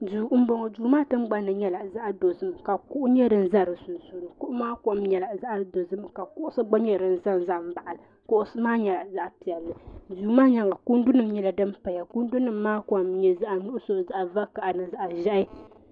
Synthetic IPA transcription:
duː˨m̩˦bo˨ŋɔ˨d͡ʒuː˨maː˦tɨ˦m˦ɡ͡ba˦nːɨ˨ɲɛ˦la˨za˦ʔdo˨zɨ˦mka˨ku˦ʔʊ˦ɲɛ˦ɾɨ˨n̩˨za˦ɾɨ˨su˨n˨su˨nɨ˨kʊ˦ʔʊ˦maː˦ka˦mɲɛ˨la˨za˦ʔa˦do˨zɨ˦mka˨kʊ˦ʔʊ˦sɨ˦ɡ͡ba˦ɲɛ˦ɾɨ˨n̩˨za˦n˨za˦m̩˨˦ba˨ʔa˨lɨ˨ | kʊ˦ʔʊ˦sɨ˦maː˦ɲɛ˨la˨za˦ʔpi˨ɛ˨lːɨ˨duː˨maː˦ɲa˨ŋa˨ku˦n˦du˦nɨ˦˨m˦ɲɛ˦la˨dɨ˦m˦pa˨ja˨ku˦n˦du˦nɨ˨mːaː˦ka˨mɲɛ˨za˦ʔa˨nʊ˦ʔʊ˦so˨za˦ʔva˦ka˨ʔa˨nɨ˨za˦ʔa˨ʒɛ˦ʔɪ˦

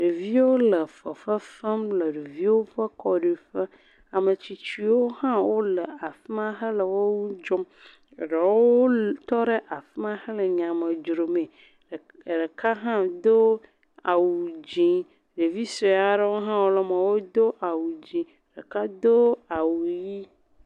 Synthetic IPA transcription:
ɖe˨vi˦wo˦lə˨fə˨fə˦fə˦mlə˨ɖe˨vi˦wo˦ɸə˦kɔ˦ɖe˨ɸə˦ | a˨mə˨t͡ɕi˨t͡ʃi˨wo˦hã˦wo˦lə˨a˨fi˦ma˦ɦə˦lə˨wo˦wu˦d͡ʒo˦m˨ | ɖə˨wo˦t̪ɔ˦ɖə˦ʔa˨fi˦mã˦hə˦lə˨ɲã˨mə˨d͡ʒɾo˨mẽ˨ | ɖə˨ka˦ɦã˦d̪o˦ | a˨wu˨d͡ʒĩ˨ | ɖe˨vi˦sɾe˨a˨ɖə˦wo˦ɦã˦wo˦lə˨mə˨wo˦d̪o˦ʔa˨wu˨d͡ʑĩ˨ | ɖə˨ka˦d̪o˦a˨wu˨ji˦

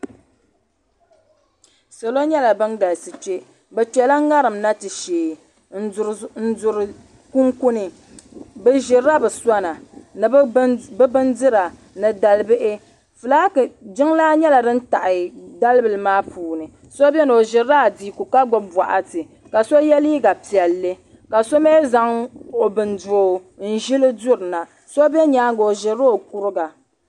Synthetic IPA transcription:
so˨lo˦ɲɛ˦la˨bɨ˦nɡa˨lsɨ˨t͡ʃe˦ | bɛ˨t͡ʃɛ˨la˦ŋa˦ɾɨ˨mna˦tɨ˨ʃeː˨ | n̩˦˨ɾn̩˦zʊ˨ɾɨ˨ | ku˦ŋku˦nɨ˨ | bɛ˦ʒɪ˨ɾa˦bɨ˨sa˦na˨ɨ˨˦bɨ˦bɨ˦ndɨ˦ɾa˨ | nɨ˨da˨lɨ˦bɨ˦ʔɪ˦ | fɨ˨laː˦kd͡ʒɪ˦ŋlaː˦ɲɛ˦la˨dɨ˦n̩˦ta˨ʔɪ˨da˦lbɨ˨lɨ˨maː˦pʰuː˨nɨ˨ | so˦bɛ˦n˨o˨ʒɪ˨ɾa˦˨di˨ku˨ka˦ɡo˦bbwa˨ʔa˨tɨ˨ | ka˨so˦jɛ˦liː˦ɡa˨pi˨ɛ˨lːɨ˦ | ka˨so˦meː˦za˦ŋo˨bɨ˨ndo˨n̩˦ʒi˦lɨ˦dʊ˦ɾɨ˨na˨ | so˦bɛ˦ɲaː˨˦ŋ˦ɡo˨o˨ʒɪ˨ɾo˦˨ku˦ɾɨ˦ɡa˨

